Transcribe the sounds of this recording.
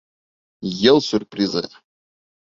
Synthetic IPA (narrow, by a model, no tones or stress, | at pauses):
jɛlˠsʲurprʲizɨ̰